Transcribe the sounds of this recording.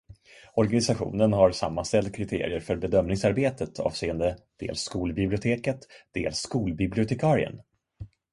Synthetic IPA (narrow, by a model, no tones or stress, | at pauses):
ɔɾɡanɪsaɧṵːnənɦaɾsa̰mːanst̪ɛlt̪̚kʰɾɪt̪ʰḛːɾɪəɾfœɾbɛd̪œmnɪŋsaɾbeːt̪ət̪ʰɑ̰ːvseːənd̪əd̪̥ḛːlsːkuːlbɪblɪʊt̪ʰeːkət̪d̪̥ḛːlsːkuːlbɪblɪʊt̪ʰɛkʰɑːɾɪə̰n